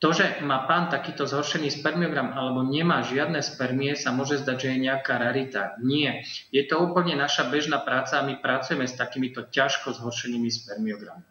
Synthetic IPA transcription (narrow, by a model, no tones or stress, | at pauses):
t̪ɔʒɛmaːpaːnt̪akiːt̪ɔzɦɔɾʃɛniːspɛɾmiɔɡɾamʔalɛbɔɲɛmaːʒɪad̪nɛːspɛɾmiɛsamʊɔʒɛzd̪aɟʒɛjɛɲɛakaːɾɛɾit̪a̰ɲɪɛjɛt̪ɔuːpl̩ɲɛnaʃabɛʒnaːpɾaːt͡saːmipɾat͡sujɛmɛst̪akiːmit̪ɔcaʃkɔzɦɔɾʃɛniːmispɛɾmiɔɡɾa̰mi